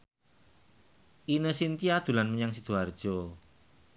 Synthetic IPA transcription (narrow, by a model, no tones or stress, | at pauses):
ʔinəsint̪iad̪̥ṳlanməɲaŋsid̪̥o̤ard̥ʒ̥ɔ